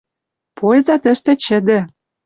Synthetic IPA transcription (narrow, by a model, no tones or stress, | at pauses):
pʰojzɑt̪ə̆ʃt̪ĕt͡ɕɘ̆d̪ĕ